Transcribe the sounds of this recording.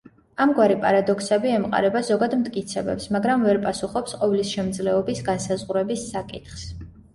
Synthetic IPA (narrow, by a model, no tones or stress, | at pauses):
amɡwaɾipʼaɾad̪ɔksɛbiɛmqʼa̰ɾɛbazɔɡad̪mt̪ʼkʼit̪sʰɛbɛ̰psmaɡɾamvɛɾpʼasuχɔpsqʼɔvlisʃɛmd̪zlɛɔbisɡansazʁuɾɛbisːakʼit̪χs